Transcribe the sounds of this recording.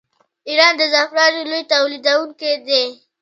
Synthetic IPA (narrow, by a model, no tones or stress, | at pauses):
iɾɑnd̪əzafɾɑɾilojt̪awlid̪awuŋked̪e